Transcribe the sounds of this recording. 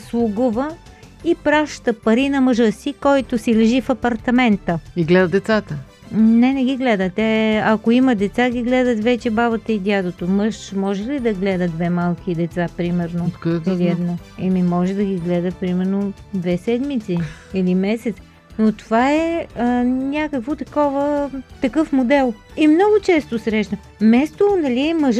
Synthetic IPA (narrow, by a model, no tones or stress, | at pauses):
slˠʊɡuvə | ipɾaʃt̪əpɐɾinɐməʒəsikɔjt̪osilɛʒifɐpɐɾt̪ɐmɛnt̪əiɡlɛd̪ət̪d̪ɛt̪sat̪ə | nɛnɛɡʲiɡlɛd̪ət̪ɛɐkoiməd̪ɛt̪saɡʲiɡlɛd̪ət̪vɛt͡ʃɛbaβət̪əid̪ʲjad̪ot̪oməʃmɔʒɛlid̪ɐɡlɛd̪əd̪vɛmalˠkid̪ɛt̪sapɾimɛɾnot̪k̪ɛliɛd̪na | ɛmimɔʒɛd̪ɐɡʲiɡlɛd̪əpɾimɛɾno | d̪vɛsɛd̪mit̪siilimɛsɛt̪s | not̪ovaɛənʲakəkvot̪ɐkɔvət̪ɐkɤfmod̪ɛlˠimnɔɡʊt͡ʃɛst̪osɾɛʃnə | mɛst̪onɐliɛməʒ